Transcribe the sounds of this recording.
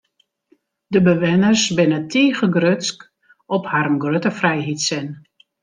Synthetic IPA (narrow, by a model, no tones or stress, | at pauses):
dəbəʋɪnərsbɪnətʰiːɣəɡrøtsk | ɔphaɾəmɡrøtəfrɛjɦitsɪn